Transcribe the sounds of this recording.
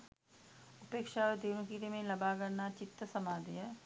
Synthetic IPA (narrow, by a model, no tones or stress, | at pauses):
ʊpeːkʃaed̪eːnukiːt̪emẽlɐbakɐɾnat͡ʃɪt̪ːəsɐmaːd̪iɦɛː